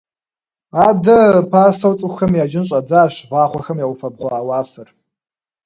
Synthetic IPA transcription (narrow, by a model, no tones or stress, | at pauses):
aːdɐpʰaːsɐwt͡sʼɨxɐmjaːd͡ʒɪnɕʼɐd͡zaːɕʁɑːχʷɔxɐmjaːwfɐb̚ʁʷɑːwaːfɨr